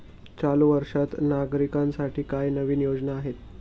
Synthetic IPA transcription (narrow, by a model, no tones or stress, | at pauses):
t͡ɕaluʋəɾʂat̪naɡɾikãnsaʈʰiːkajnəʋiːnijod͡znaːɦet̪